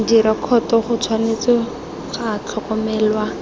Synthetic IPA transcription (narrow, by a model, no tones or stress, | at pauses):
diɾakʰɔtɔχʊt͡sʰwanet͡sɔ | χat͡ɬʰɔkɔmɛːlwa